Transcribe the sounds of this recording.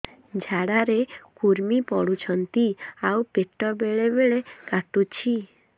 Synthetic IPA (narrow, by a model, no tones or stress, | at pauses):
d͡ʒʱaɽaɾekuɾmipɔɽut͡ʃʰɔnt̪iauwpeʈɔbeɭebeɭekaʈut͡ʃʰi